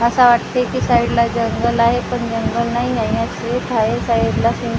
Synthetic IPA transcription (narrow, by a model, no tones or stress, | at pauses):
əsaʋaʈt̪ekiːsaiɽlad͡ʑəŋɡəlaɦepəɳd͡ʑəŋɡəlnaɦiajãset̪ʰaɦesaiɽlasi